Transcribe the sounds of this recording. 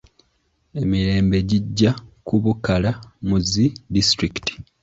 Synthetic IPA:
e̞miɾe̞ːmbe̞ɟiɟːakuβukalamuzidistɾiki̥ti̥

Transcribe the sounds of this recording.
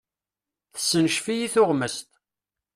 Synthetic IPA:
θəsːənʃfijiθʊʁməst̪

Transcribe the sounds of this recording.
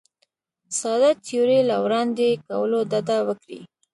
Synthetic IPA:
sɑd̪at̪ʰjoɾelawɾɑnd̪ekawəlod̪ad̪awəkɾḭ

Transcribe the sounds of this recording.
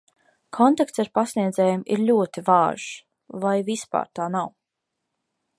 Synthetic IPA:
kʰɔnt̪akt̪saɾpasniɛd̪zɛːjumʔiɾlʲuɔt̪ivaːʒ | vajvispa̰ːɾt̪aːnaw

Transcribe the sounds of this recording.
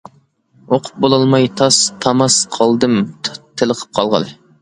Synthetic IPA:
oqʰʊ̥p̚bolˠɑlˠmɑjt̪ʰɑst̪ʰɑmɑsqʰɑlˠd̪ɨmt̪ʰːɪlˠəqʰə̥p̚qʰɑlˠʁɑ̰lɨ

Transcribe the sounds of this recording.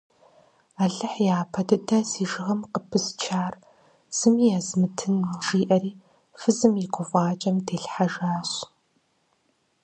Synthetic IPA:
aːɮɐħjaːpʰɐdɨdɐsiːʒɨʁɐmqəpʰɨst͡ʃʰaːr | z̥ɨmijazmɨtʰɨnʒiːʔɐɾiː | fɨzɨmɪqʷʊvʷɑːt͡ʃʼɐmdʰeːɬħaʒaːɕ

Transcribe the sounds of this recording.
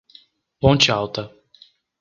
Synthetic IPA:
põt͡ʃɪawt̪ɐ

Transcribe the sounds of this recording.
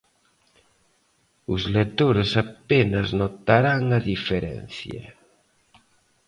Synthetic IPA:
uzlet̪oɾesapenaznot̪aɾaŋaðifeɾɛ̰nθja̰

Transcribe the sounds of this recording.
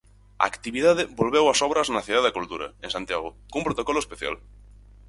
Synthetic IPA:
a̰akt̪iβiðað̞ebolβ̞ewasɔβ̞ɾaznaθiðaðakult̪uɾa̰ensãnt̪jaɣ̞okoũmpɾot̪okoloespeθja̰l

